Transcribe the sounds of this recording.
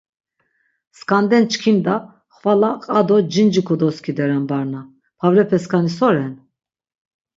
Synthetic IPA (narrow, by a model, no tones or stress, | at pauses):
skʼand̪ɛnt͡ʃkʰind̪a | χvalaqʼad̪ɔd͡ʒind͡ʒikʰɔd̪ɔskʰid̪ɛɾanbaɾna | pʰavɾɛpʰɛskʰanisɔɾɛn